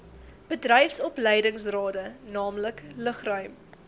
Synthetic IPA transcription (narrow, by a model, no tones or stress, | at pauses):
b̥ədrɛjfsɔplɛjdəŋsrɑːdənɑːmləkləχrœɥm